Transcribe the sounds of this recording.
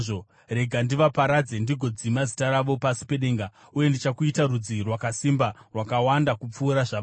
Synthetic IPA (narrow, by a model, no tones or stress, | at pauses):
o | re̞ɡʱandiʋapaɾad͡ze̞ndiɡʱo̞d͡zimazitaɾaʋo̞pasi̥peɗe̞ːŋɡa | uje̞ndit͡ʃakuitaɾud͡zirwakasimbarwakawandakup͡fuːɾaʐa